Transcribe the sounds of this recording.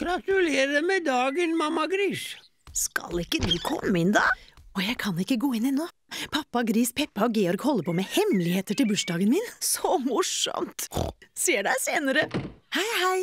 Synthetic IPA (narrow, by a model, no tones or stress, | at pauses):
ɡ̥ɾɑt̪ʉleːɾəmɛd̪ɑːɡənmɑmːɑɡɾiːʂ | skɑ̰lɪkːəd̪ʉːkʰɔ̰mːəɪnd̪ɑ̰ːɔjæɪkʰɑnɪkːəɡoːɪnɛnːoː | pʰɑpːɑɡɾiːspʰɛpːɑɔɡeːɔɾɡhɔlːəɾpʰɔːmɛhɛmlɪheːt̪əʈɪlbʉʂɖɑːɡənmiːnsɔmʊʂɔ̰mt̪seːɖæɪseːnəɾəhæɪhæɪ